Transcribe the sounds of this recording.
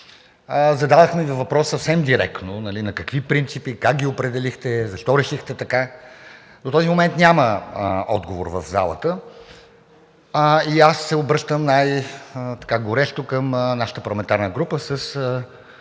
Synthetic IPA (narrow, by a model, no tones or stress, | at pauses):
zɐd̪ad̪ɐxmɛvivɐpɾɔsːsɐfsɛmd̪iɾɛ̰k̪nonɐlinɐkəkvipɾint̪sipikak̚ɡʲiopɾɛd̪ɛlixt̪ɛzɐʃt̪ɔɾɛʃixt̪ɛt̪ɐka | d̪ot̪ɔzimomɛnt̪nʲaməɔ̰d̪ɡovo̰ɾvəvza̰lˠə̰t̪ə | iasːɛobɾɤʃt̪əmnajt̪ɐ̥kaɡoɾɛʃt̪okəmnaʃə̥t̪əpɐɾlˠɐmɛnt̪aɾnəɡɾupəsəsə